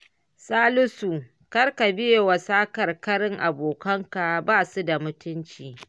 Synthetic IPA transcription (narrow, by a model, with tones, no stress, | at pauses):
saː˦lʊ˦su˨ | kɐ˦rka˨bɪ˦je˨wɐ˨saː˦kɐ˨rkɐ˦ɽɪ˦ŋʔa˨boː˨kɐ˦ŋka˨baː˦˨su˦da˨mʊ˦tʊ˦nt͡ʃiː˨